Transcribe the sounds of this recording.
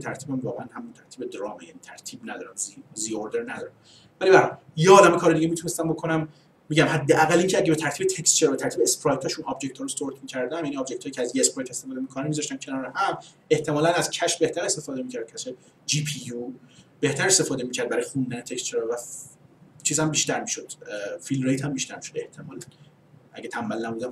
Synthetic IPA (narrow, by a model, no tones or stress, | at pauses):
et̪ʰæɾt̪ʰiːbæmvɒːɣʁeænhæmunt̪ʰæɾt̪ʰiːbed̪ɾɒːmejæniːt̪ʰæɾt̪ʰiːbnæd̪ɒːɾæmzzijoɾd̪eɾnæd̪ɒːɾæm | vælibæɾɒ | jeɒːd̪æmekʰɒːɾed̪iɟemit̪ʰunest̪æmbo̞kʰonæmː | iːɟæmhæd̪ːeʔæɣæliːŋcʰeæɟʲebe̞t̪ʰæɾt̪ibet̪ʰecst̪t͡ʃʰeɾbe̞t̪ʰæɾt̪ʰibeːspɾɒjt̪ʰɒːʃunɒbd͡ʒe̞ct̪ʰɒːɾost̪oɾt̪ʰmicʰæɾd̪æmjæniɒbd͡ʒect̪ʰɒjicʰeæzjeːspɾɒjt̪est̪e̞fɒːd̪emikʰonæmizɒʃt̪æmcʰe̞nɒːɾehæm | e̞ht̪ʰe̞mɒːlænæzcʰæʃbe̞ht̪æɾe̞st̪e̞fɒːd̪e̞miːcʰæɾd̪̚cʰæʃe | d͡ʒipʰijub̥e̞ht̪ʰæɾest̪e̞fɒːd̪e̞miːcʰæɾd̪̚bæɾɒjexund̪ænet̪ʰekstt͡ʃʰeɾɒvæ | t͡ʃʰiːzhæmbiːʃt̪æɾmiːʃod̪̥filɾejt̪ʰhæmbiʃt̪æɾmiːʃod̪e̞ht̪ʰe̞mɒ̰ːlæn | ʔæ̰ɟet̪ʰæmbælːæmbuːd̪æm